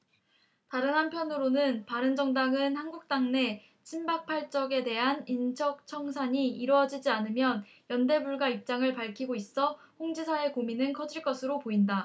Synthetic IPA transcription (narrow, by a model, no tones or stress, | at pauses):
taɾɯnɦampʰjʌnɯɾonɯnpaɾɯnd͡ʑʌŋdaŋɯnhanɡuk̚t͈aŋne̞ | t͡ɕʰimbak̚pʰaɭt͡ɕ͈ʌɡe̞de̞ɦanint͡ɕʰʌk̚t͡ɕʰʌŋsʰaɲiiɾwʌd͡ʑid͡ʑianɯmjʌn | jʌnde̞buɭɡwaip̚t͡ɕ͈aŋɯɭpaɭkʰiɡois͈ʌ | ɸoŋd͡ʑisʰae̞kominɯnkʰʌd͡ʑiɭk͈ʌsʰɯɾopoinda